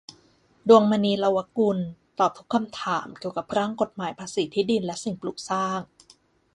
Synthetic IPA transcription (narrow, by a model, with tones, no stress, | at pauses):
du˧əŋmaː˧niː˧la˧wa˦˥ku˧nt̪ɔː˨˩p̚t̪ʰu˦˥kʰːa˧mt̪ʰaː˩˦mki˨˩əwka˨˩p̚ɾaː˥˩ŋko˨˩t̪̚maː˩˦jpʰaː˧siː˩˦t̪ʰiː˦˥di˧nlɛ˦˥si˨˩ŋplu˨˩k̚saː˥˩ŋ